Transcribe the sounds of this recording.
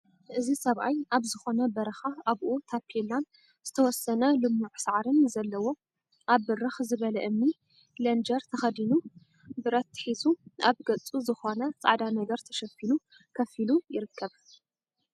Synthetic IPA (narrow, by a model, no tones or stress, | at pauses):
ʔɨzisɐβʔajʔaβzɨxo̞nɐbɐɾɐxaaβʔut̪ʰapʰelan | z̥ɨt̪ʰɐwɔsɐnɐlɨmːuʕsaʕɾɨnzɐlːɐwo̞ | ʔaβːɨɾɨxzɨβɐlɐʔɨmːi | lɐnd͡ʒɐɾt̪ʰɐxɐd̪inu | bɨɾɐt̪ʰːħizuaβɡɐt͡sʼuzɨxo̞nɐt͡sʼa̰ʕd̪anɐɡɐɾt̪ʰɐ̥ʃɐfilu | kʰɐfilujɪɾɨkʰːɐβ